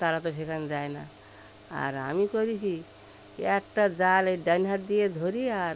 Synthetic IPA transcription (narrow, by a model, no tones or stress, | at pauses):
t̪aɾat̪osʰekand͡zaena | a̰ɾɦa̰mikoɾikʰi | kek̚ʈad͡zaleɖənɦaɾd̪ijed̪ʱoɾiaɾ